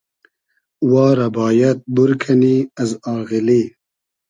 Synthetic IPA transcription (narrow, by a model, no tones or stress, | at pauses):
wɑːɾɐbɑːjɐt̪̚buɾkʰɐniɐzɑːɣiliː